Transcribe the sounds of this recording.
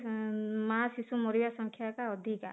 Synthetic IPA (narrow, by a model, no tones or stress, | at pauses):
maasisumɔɾibasɔŋkʰjakaɔd̪ʱika̰